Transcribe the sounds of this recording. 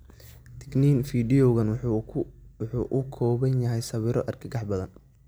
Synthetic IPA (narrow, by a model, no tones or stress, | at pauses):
t̪ʰɪ̥ɡniːnfiːɖiɔɣɐn | wʊħuːʔʊkʰɔːβɐnjɐɦɛjsɐβɪɾɔʔɐrkʰɪɡɑħbɐðɐn